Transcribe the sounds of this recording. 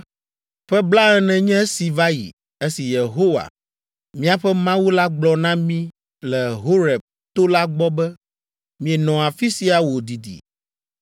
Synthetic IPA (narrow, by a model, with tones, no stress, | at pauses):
ɸɛ˦bla˦ɛ˦nɛ̃˨ɲɛ̃˦si˨va˦jḭ˨ | e˦si˨je˨ɦo˦wa̰˨ | mĩ˦a˨ɸɛ˦mã˦wu˦la˦ɡ͡blɔ˨nã˦mĩ˦ | lɛ˨ɦo˦ɾɛ˨b̚ | t̪o˦la˦ɡ͡bɔ˦bɛ˦ | mĩ˨ɛ˨nɔ̃˨a˨fi˦si˨˦a˨wo˨d̪i˨d̪ḭ˨